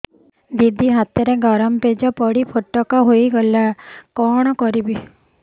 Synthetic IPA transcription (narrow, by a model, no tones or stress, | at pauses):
d̪id̪ʱiɦat̪ɔɾeɡɔɾɔmped͡ʒɔpɔɽipʰoʈɔkɔɦoiɡɔlakɔɽ̃ɔkɔɾibi